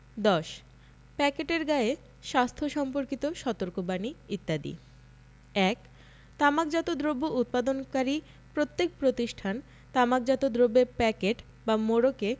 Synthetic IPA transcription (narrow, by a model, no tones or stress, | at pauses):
d̪ɔʃ | pɛkeʈeɾɡae | ʃast̪ʰoʃɔmpoɾkit̪oʃɔt̪oɾkobaniit̪ːad̪ḭ | ɛk | t̪amak̚d͡ʑat̪od̪ɾobːoʔut̪̚pad̪onkaɾi | pɾot̪ːek̚pɾot̪iʃʈʰan | t̪amak̚d͡ʑat̪od̪ɾobepɛkeʈ | bamoɾoke